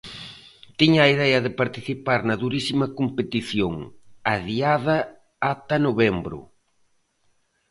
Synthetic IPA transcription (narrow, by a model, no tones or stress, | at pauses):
t̪iɲɐːiðɛɐðɪpaɾt̪iθipaɾnɐðuɾisimɐkompet̪iθjoŋɐðiaðɐː | t̪ɐnoβɛmbɾʊ̰